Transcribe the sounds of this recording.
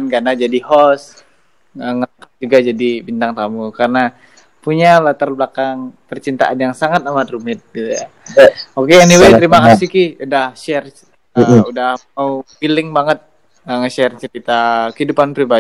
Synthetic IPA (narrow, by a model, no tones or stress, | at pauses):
nkarnad͡ʒadihɔs | əŋlakaŋd͡ʒuɡad͡ʒadibint̪aŋt̪amukaɾəna | puɲalat̪arblakaŋpərt͡ʃint̪a̰ʔanjaŋsaŋat̪̚amat̪rumɪt̪̚ɡit̪uja | okeːniwejt̪əɾimakasikiudahʃɛr | əudahmaufilɪŋbaŋət̪̚ | əŋəʃɛrt͡ʃəɾit̪akəhidupanpɾiba